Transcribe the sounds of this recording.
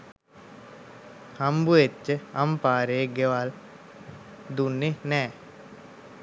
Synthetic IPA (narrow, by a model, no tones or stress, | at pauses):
hambuet͡ʃːəampaːɾeɡeʋal | d̪unːenɛː